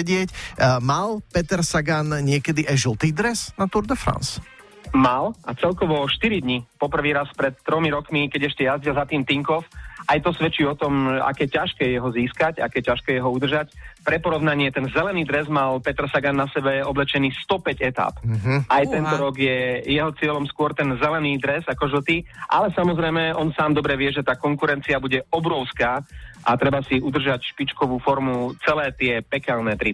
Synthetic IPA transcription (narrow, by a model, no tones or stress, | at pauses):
ɟɪɛcmalpɛt̪ɛɾsaɡanɲɪɛkɛd̪iʔajʒlˠt̪iːd̪ɾɛsnat̪uɾd̪ɛfɾa̰ns | malʔat͡sɛlkɔʋɔʃt̪iɾid̪ɲipɔpr̩ʋiːɾaspɾɛt̪ːɾɔmiɾɔkmikɛɟɛʃcɛjazɟilzat̪iːmt̪iŋkɔfʔajt̪ɔsʋɛt͡ʃiːɔt̪ɔmɛa̰kɛjɛcaʃkɛːjɛjɛɦɔziːskaca̰kɛːjɛcaʃkɛjɛɦɔud̪r̩ʒacpɾɛpɔɾɔʊnaɲɪɛt̪ɛnzɛlɛniːd̪ɾɛzmalpɛt̪ɾsaɡanːasɛbɛɔblɛt͡ʃɛniːst̪ɔpɛɟɛt̪a̰ːpʔajt̪ɛnt̪ɔɾɔɡjɛjɛɦɔt͡sɪɛlɔmskʊɔɾt̪ɛnzɛlɛniːd̪ɾɛzakɔʒl̩t̪iʔa̰lɛsamɔzɾɛjmɛɔnsaːmd̪ɔbɾɛʋɪɛʒɛt̪aːkɔŋkuɾɛnt͡siabuɟɛɔbɾɔʊskaːʔa̰t̪ɾɛbasiud̪r̩ʒacʃpit͡ʃkɔʋuːfɔɾmut͡sɛlɛːt̪ɪɛpɛkɛlnɛːt̪ɾi